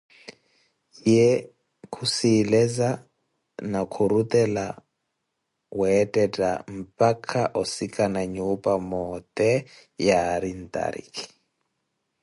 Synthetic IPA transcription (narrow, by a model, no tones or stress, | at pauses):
jɛ | kʰusiːlɛza | nakʰuɾut̪ʼɛla | wɛːtʼɛtʼa̰m̩pʼakʰaʔɔsikʰʼanaɲupʼamɔt̪ʼɛ | jaːɾin̩t̪ʼa̰ɾḭkʰi̥